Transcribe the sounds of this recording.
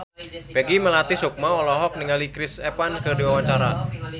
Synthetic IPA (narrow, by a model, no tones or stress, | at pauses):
pɛɡiməlat̪isuk̚maɔlɔɦɔk̚niŋalikɾɪsɛpankərdiwawaɲt͡ʃaɾa